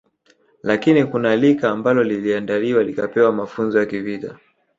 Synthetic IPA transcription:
lakinikunalikaːmbalɔliliandaliwalikapɛwamafunzɔjakivita̰

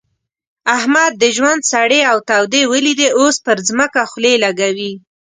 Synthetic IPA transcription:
ahmad̪̚ːəʒwand̪saɽeawt̪awd̪ewəlid̪eospəɾzməkaxlelaɡawi

